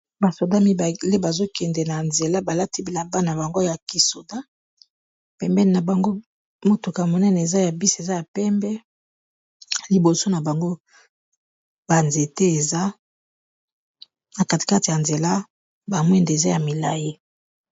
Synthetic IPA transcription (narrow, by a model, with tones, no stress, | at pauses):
ba˨so˨da˦mi˦ba˨le˦ba˨zo˦kɛ˨ndɛ˨na˨nze˨la˦ba˨la˦ti˦bi˨la˨ba˦na˨ba˨ŋɡo˦ja˨ki˨so˨da˦ | pɛ˨mbɛ˦n˨na˨ba˨ŋɡo˦ | mo˦tu˨ka˨mo˨nɛ˦nɛ˨e˨za˦ja˨bi˦se˨za˦ja˨pɛ˦mbɛ˦ | li˨bo˨so˦na˨ba˨ŋɡo˦ | ba˨nze˨te˦e˨za˦ | na˨ka˦˨ti̥˨ka˦ti˨ja˨nze˨la˦ | ba˨mwɛ˦nde˨za˦ja˨mi˨la˨ji˦